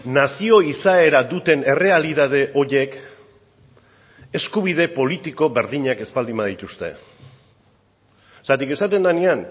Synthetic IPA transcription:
nasio̞isae̞ɾaðut̪e̞ne̞re̞aliðað̞e̞ʔo̞je̞k | e̞skuβ̞ið̞e̞po̞lit̪iko̞βe̞ɾðiɲake̞spald̪imað̞it̪ust̪e̞̰ | sat̪ike̞sat̪e̞nd̪anean

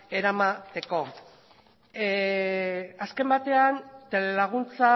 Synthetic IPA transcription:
e̞ɾamat̪e̞ko̞ | aske̞mbat̪e̞ant̪ele̞laɣ̞unt͡sa

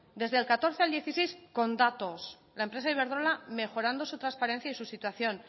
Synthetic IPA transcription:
d̪e̞zðelkat̪o̞ɾθeald̪je̞θisejsko̞nd̪at̪o̞s | laempɾesaiβe̞ɾð̞ɾo̞lame̞xo̞ɾand̪o̞sut̪ɾanspaɾe̞n̟θjaisusit̪waθjo̞n

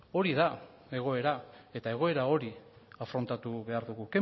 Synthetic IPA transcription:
o̞ɾiða | e̞ɣ̞o̞e̞ɾae̞t̪ae̞ɣ̞o̞e̞ɾao̞ɾi | afɾo̞nt̪at̪uβe̞aɾðuɣuke

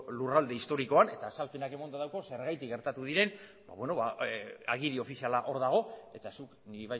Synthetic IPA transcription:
lurald̪e̞ist̪o̞ɾiko̞ane̞t̪aːsalpenake̞mond̪aðawko̞se̞ɾɣajt̪ikɡe̞ɾt̪at̪uð̞iɾe̞n | ba̰βwe̞no̞βaa̰ɣ̞iðio̞fisialaʔo̞ɾðaɣ̞o̞e̞t̪asukniβa

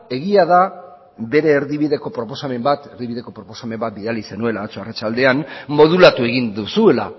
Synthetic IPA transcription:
e̞ɣiaða | βe̞ɾe̞ːɾðiβiðe̞ko̞pɾo̞po̞same̞mbat̪eɾðiβiðe̞ko̞pɾo̞po̞same̞mbat̪̚biðalise̞nue̞laðat͡soarat͡ʃald̪e̞anmo̞ð̞ulat̪ue̞ɣ̞ind̪usue̞la̰

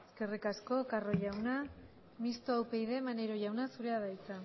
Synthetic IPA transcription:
eske̞rikasko̞karo̞ʝawna | mist̪oawpe̞jðe̞maneɾo̞ʝawnasuɾe̞aðajt͡sa

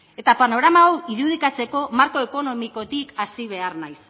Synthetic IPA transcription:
e̞t̪apano̞ɣɾamaowiɾuð̞ikat͡se̞ko̞maɾko̞eko̞no̞miko̞t̪ikasiβ̞e̞arnajs

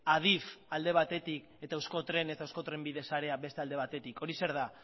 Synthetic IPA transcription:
að̞ifald̪e̞β̞at̪e̞t̪ik | e̞t̪awsko̞t̪ɾe̞ne̞t̪aewsko̞t̪ɾe̞mbiðe̞saɾe̞abe̞st̪e̞ald̪e̞β̞at̪e̞t̪iko̞ɾise̞ɾð̞a

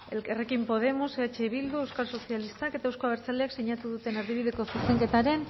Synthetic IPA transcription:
elkerekimpo̞ð̞e̞moseat͡ʃe̞βild̪ue̞wskalso̞θjalist̪ake̞t̪aewsko̞aβe̞ɾt͡saleaksiɲat̪uðut̪e̞naɾðiβiðe̞ko̞sust̪e̞ŋke̞t̪aɾe̞n

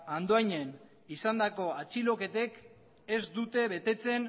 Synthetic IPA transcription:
and̪oajɲen | isand̪ako̞at͡silo̞ke̞t̪e̞k | e̞zd̪ut̪e̞βe̞t̪e̞t͡se̞n

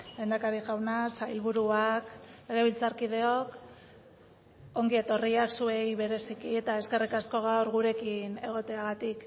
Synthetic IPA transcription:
lend̪akaɾiʝawnasajlβuɾuake̞ɣe̞β̞ilt͡saɾkið̞e̞o̞k | o̞ŋɡie̞t̪o̞riaksue̞jβe̞ɾe̞sikiet̪ae̞ske̞rikasko̞ɣ̞awɾɣuɾe̞kine̞ɣ̞o̞t̪e̞aɣat̪ik

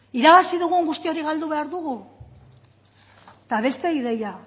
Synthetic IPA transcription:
iɾaβasiðuɣ̞uŋɡust̪io̞ɾiɣald̪uβe̞aɾðuɣu | t̪aβe̞st̪e̞iðe̞ja

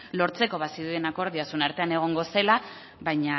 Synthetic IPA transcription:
lo̞ɾt͡se̞ko̞βasiðue̞nako̞ɾðiasunaɾt̪e̞ane̞ɣ̞o̞ŋɡo̞se̞la | βajɲa

